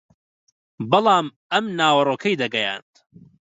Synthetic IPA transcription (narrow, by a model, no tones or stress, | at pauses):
bɐlˠɑːm | ɐmnaːwɐroːkʰɐjd̪ɐɡɐja̰ːnt̪